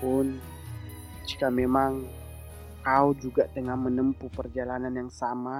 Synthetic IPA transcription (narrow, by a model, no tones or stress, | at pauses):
pʊn | d͡ʒikamemaŋ | kaud͡ʒuɡaʔt̪əŋahmənəmpupərd͡ʒalananjaŋsama